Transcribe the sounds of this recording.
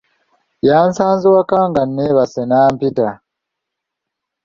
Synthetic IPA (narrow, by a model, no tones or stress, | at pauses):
jaːnsaːnziwakaːŋɡanːeβasenaːmpita